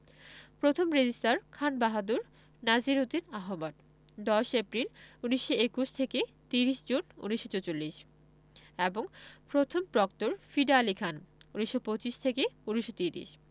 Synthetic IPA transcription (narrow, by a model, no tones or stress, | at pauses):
pɾot̪ʰomɾed͡ʑisʈaɾkʰanbaɦad̪uɾ | nad͡ʑiɾot̪inaɦomat | d̪ɔʃepɾiluniʃːoekuʃt̪ʰeke | t̪iɾiʃd͡ʑunṵniʃot͡ɕot͡ɕolːiʃ | eboŋpɾot̪ʰompɾɔkt̪uɾfiɖalikʰanuniʃːopot͡ɕiʃt̪ʰekeuniʃot̪iɾḭʃ